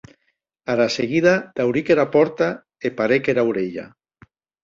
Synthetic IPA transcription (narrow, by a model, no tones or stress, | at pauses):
aɾaseɣiðad̪̥awɾikeɾapɔɾt̪a | epaɾekeɾawɾeʎa̰